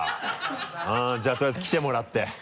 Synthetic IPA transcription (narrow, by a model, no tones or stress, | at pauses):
ɯ̃d͡ʑaːt̪oɾjazkʲi̥t̪e̞mo̞ɾat̪ːe̞